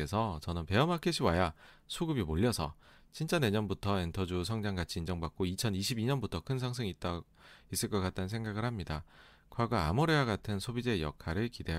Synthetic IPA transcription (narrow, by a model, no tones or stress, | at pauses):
e̞sʰʌt͡ɕʌnɯnpe̞ʌmakʰeɕʰiwaja | sʰuɡɯbimoʎːʌsʰʌ | t͡ɕint͡ɕ͈ane̞ɲʌnbutʰʌe̞ntʰʌd͡ʑus̬ʰʌŋd͡ʑaŋɡat͡ɕʰiːnd͡ʑʌŋbak̚k͈oit͡ɕʰʌniɕʰibiɲʌnbutʰʌkʰɯnsʰaŋsʰɯŋit̚t͈a | is͈ɯɭk͈ʌk͈at̚t͈annsʰe̞ŋɡaɡɯɭhamɲida | kwaɡwaa̰mʌɾeaɡatʰɯnsʰobid͡ʑe̞jʌ̰kʰaɾɯɭkide̞ɦa